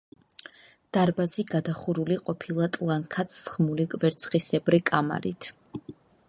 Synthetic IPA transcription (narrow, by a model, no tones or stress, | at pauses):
d̪̥aɾbaziɡad̪aχuɾuliqʼɔpʰilˠat̪ʼlˠaŋkʰat̪ʰsχmulikʼvɛɾt̪sʰχisɛbɾikʼama̰ɾḭt̪ʰ